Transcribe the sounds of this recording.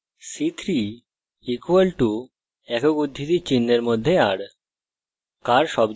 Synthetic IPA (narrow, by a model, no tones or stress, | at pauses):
sit̪ʰɾi | ikuʋəlʈu | ɛkokud̪ʱːit̪it͡ɕinːeɾmod̪ʱːeaɽ | kaɾʃɔb